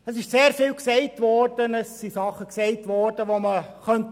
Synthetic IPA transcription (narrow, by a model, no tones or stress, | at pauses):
əsɪʃseːɾfɪːlksɛɪtʋɔrd̥ənəsːisɑχəksɛɪtʋɔːɾd̥əʋoməχœnt